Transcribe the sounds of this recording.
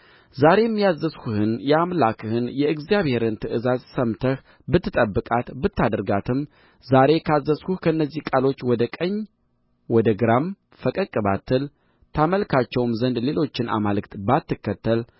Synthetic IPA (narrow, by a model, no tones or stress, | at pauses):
zaɾe̞jmːijazːəskuhɨnjɛamlakʰɨhɨnjɛɨɡzijaβhe̞ɾɨnt̪ʰɨʔɨzazsəmt̪ʰəh | bɨt̪ʰːɨt̪ʼəbːɨkʼat̪bɨt̪ːad̪əɾɡat̪ʰɨm | zaɾe̞kʰazːəskuhkʰəɨnːəzːihkʼalo̞t͡ʃːwɔd̪əkʼəɲː | wɔd̪əɡɨɾam | fəkʼəkʼːɨba̰t̪ʰːɨl | t̪ʰaməlkʰat͡ʃːɛwmzənd̪le̞lo̞t͡ʃːɪnʔa̰malɨkt̪bat̪ːɨkːət̪ːəl